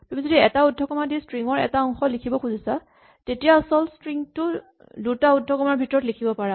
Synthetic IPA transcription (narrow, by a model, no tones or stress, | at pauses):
pumizodiɛtaudʱɔkɔmadistɹiŋɔɹɛ̰taɔŋxɔlikʰibɔkxuzisa | tetijaːsɔlstɹiŋtʊ | dutaudʱːɔkɔmaɹbʱitɔɹɔtlikʰibɔpaɹa